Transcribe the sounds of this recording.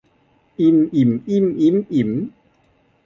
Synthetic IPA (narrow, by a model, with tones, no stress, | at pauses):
ʔi˧˥mʔi˨˩˦mʔi˧˥˩mʔi˧˦˥mʔi˨˩˦m